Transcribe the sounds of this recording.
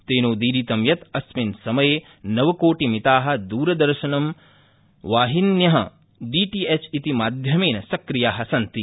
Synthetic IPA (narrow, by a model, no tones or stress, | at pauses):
t̪eːnoːd̪iːɾit̪ɐmjɐt̪ɐsminsɐmɐjeː | nɐʋɐkoːʈimit̪aːɦɐ̆d̪uːɾɐd̪ɐɾʃɐnɐm | ʋaːɦinjɐɦɐ | ɖiːʈiet͡ʃit̪imaːd̪ʱjɐmeːnɐsɐkɾijaːɦɐsɐnt̪i